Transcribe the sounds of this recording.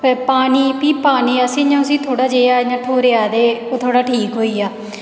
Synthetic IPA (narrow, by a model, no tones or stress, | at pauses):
pəɾpaːniːpiːpaːniːəsĩːɲãʊsĩːt̪ʰoːɽaːd͡ʒeːaːɲãːʈʰoːɾɪjaːd̪eːoːt̪ʰoːɽaːʈʰiːkɦoːiːaː